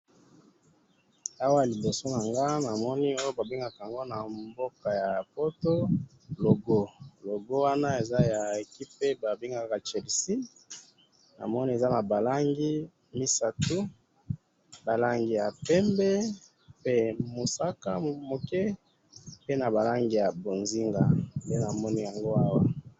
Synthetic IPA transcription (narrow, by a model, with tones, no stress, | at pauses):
a˦wa˦ja˨li˨bo˨so˦na˨ŋɡa˦na˨mɔ˦ni˦o˦jo˦ba˨bi˦ŋɡa˨ka˨a˨ŋɡo˦na˨mbo˦ka˨ja˨po˦to˦ | lo˨ɡo˦lo˨ɡo˦wa˦na˦e˨za˦ja˨e˨ki˦pe˦ba˨bi˦ŋɡa˦˨a˨ka˨t͡ʃɛ˨lsi˦ | na̰˨mɔ˦ni˦e˨za˦na˨ba˨la˦ŋɡi˦ | mi˦sa˨tu˦ | ba˨la˦ŋɡi˨ja˨pɛ˦mbɛ˦ | pe˦mo˨sa˦ka˦mo˨kɛ˦ | pe˦na˨ba˨la˦ŋɡi˨ja˨bo˨nzi˦ŋɡa˨de˦na˨mɔ˦ni˦ja˨ŋɡo˦a˦wa˦